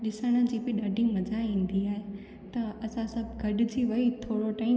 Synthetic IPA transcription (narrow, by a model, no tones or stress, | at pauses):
ɗɪsəɽ̃ə̆d͡ʑiːpiɗɐɖɪ̃ŋɡmɐd͡ʑʱaĩːn̆d̪iaːɦe | t̪ɐɐsãsɐbʱɡʱɐɖɪd͡ʑiːʋɐit̪ʰoːɽoʈaːɪ